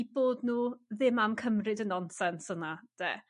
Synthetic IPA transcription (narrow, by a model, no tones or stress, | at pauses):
iboːdnuːðɪmamkʰəmrɨdənɔnsɛnsənad̥ḛː